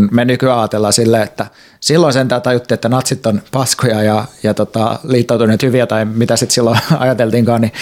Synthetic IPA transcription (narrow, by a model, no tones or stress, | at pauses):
nmenykyæɑːt̪elːɑsilːeːet̪ːæ | silːonsent̪æːt̪ɑjut̪ːiet̪ːænɑt̪sit̪ːonpɑskojɑjɑjɑt̪ot̪ɑliːt̪ːout̪unˑeːˑt̪hyʋiæt̪ɑimit̪æsit̪silːoɑ̰jɑt̪elt̪iŋkɑːni